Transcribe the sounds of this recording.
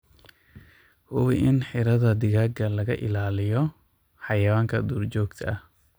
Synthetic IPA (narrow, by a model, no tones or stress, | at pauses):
hʊwɪʔɪnħɪɾɐðɐd̪ɪɣaːɡɐlɐɣɐʔɪ̰laːlɪjɔ | ħɑjɐwaːŋkʰɐ̰d̪uːrt͡ʃɔːɡt̪ʰɐʔɐh